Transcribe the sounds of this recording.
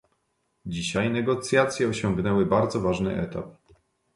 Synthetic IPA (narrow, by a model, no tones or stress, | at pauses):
d͡ʑiɕajnɛɡɔt̪sʲjat̪sʲjɛɔɕɔŋɡnɛwɘbaɾd̪zɔvaʐnɘ̰ʔɛt̪ap̚